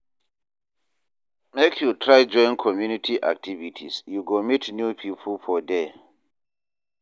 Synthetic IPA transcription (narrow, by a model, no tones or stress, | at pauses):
mekʰjutʰɹaɪd͡ʒɔ̃ɪ̃nkʰɔmjunitʰiʔa̰k̚tʰivitʰḭsjuɡomitnjupʰipʰl̩fɔde